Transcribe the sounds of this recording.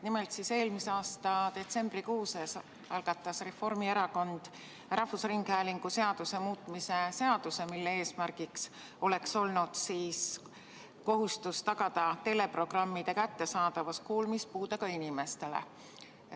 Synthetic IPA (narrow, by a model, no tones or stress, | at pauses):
nime̞lt̪sise̞ːlmiseɑːst̪ɑd̪̥e̞t̪se̞mb̥rikuːses | ɑlɡ̥ɑt̪ːˑɑsre̞fo̞rmie̞ɾɑko̞nd̪̥ | rʔɑhfusriŋɡ̥hæːliŋɡ̥use̞ɑd̪̥use̞muːt̪ˑmise̞se̞ɑd̪̥use̞milːe̞e̞ːsmærɡ̥iks | o̞le̞kso̞lnud̪̥siːs | ko̞ɦust̪ust̪ɑɡ̥ɑd̪ɑt̪e̞le̞pro̞ɡ̥rɑmːid̪̥ekæt̪ːe̞sɑːd̪̥ɑvɑskuːlmispuːd̪̥ɑkɑinime̞st̪e̞lḛ